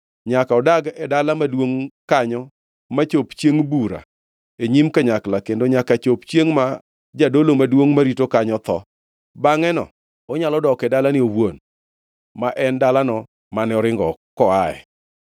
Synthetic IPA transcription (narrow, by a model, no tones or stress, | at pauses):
ɲakaɔdaɡɛdalamadwoŋkaɲɔ | mat͡ʃopt͡ʃjeŋbuɾa̰ | eɲimkaɲaklakendoɲakat͡ʃopt͡ʃjeŋma | d͡ʒadolomadwoŋmaɾitokaɲɔt̪ɔ | baŋɛnɔ̰ | ɔɲalɔdɔkɛdalanɪowwon | maʔɛndalanɔ | manɛɔɾɪŋɡɔkɔaɛ̰